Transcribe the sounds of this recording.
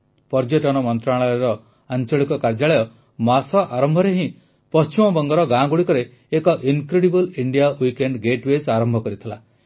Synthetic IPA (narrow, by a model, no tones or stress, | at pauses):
pɔɾd͡ʒɔʈɔɽ̃ɔmɔnt̪ɾaɭɔɔɾɔ | ant͡ʃɔɭikɔkaɾd͡ʒaɭɔjɔ | masɔʔaɾɔmbʱɔɾeɦĩ | pɔst͡ʃimɔbɔŋɡɔɾɔɡãɡuɽikɔɾeː | kɔʔiŋkɾeɽibɔliɳɖijawikeɳɖɡeʈwesaɾɔmbʱɔkɔɾit̪ʰila